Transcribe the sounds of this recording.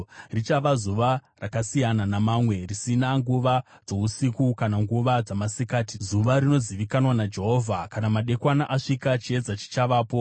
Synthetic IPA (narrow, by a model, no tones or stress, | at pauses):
rit͡ʃaʋazuʋarakasijananamamwe̞risinaŋɡuʋad͡zo̞usikukanaŋɡuʋad͡zamasikaːtizuʋaɾino̞ziʋikanwanad͡ʒe̞ɦo̞ːvʱakanamaɗe̞kwanaʔaʂikat͡ʃie̞d͡zat͡ʃi̥t͡ʃaʋaːpo̞